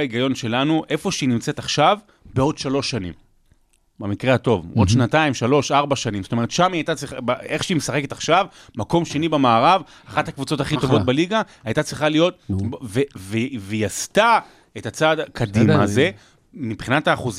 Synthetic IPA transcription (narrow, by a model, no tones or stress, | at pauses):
iɡajo̞nʃe̞lanuʔe̞fo̞ʃeinimt͡set̪aχʃav | beo̞d̪ʃalo̞ʃːanḭm | bamikʁehato̞vo̞d̪ʃnataimʃalo̞ʃaʁbaʃanĩmzotome̞ʁetʃamiajt̪at͡sʁiχabaeχʃeimesaχe̞ketaχʃav | mako̞mʃe̞nibemaːʁav | aχathakvut͡so̞t̪aχito̞vo̞t̚beliɡa | ajt̪at͡sʁiχalijo̞t̚vevevejasta | etat͡sadkʰadimaze̞ | mipχinataːχuz